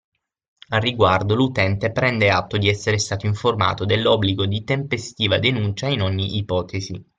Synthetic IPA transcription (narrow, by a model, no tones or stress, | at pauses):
arːiɡward̪olut̪ɛnt̪epɾɛnd̪eat̪ːod̪iɛsːeɾest̪aːt̪oiɱforma̰ːt̪od̪elːɔbːliɡod̪it̪empest̪iːvad̪enunt͡ʃainoɲːiʔːpɔːt̪ʰezḭ